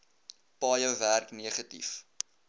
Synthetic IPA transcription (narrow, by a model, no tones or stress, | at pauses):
pɑːjəwværkniəχətḭf